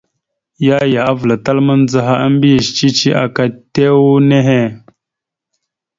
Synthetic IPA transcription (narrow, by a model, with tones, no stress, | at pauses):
ja˦ja˨a˦vlə˨ta˦lmə˦nd͡za˦ɦa˦ə˦m˦bi˦jə˨ʃt͡ʃi˦t͡ʃi˦ʔa˨ka˦te˦wu˦ne˦ɦe˦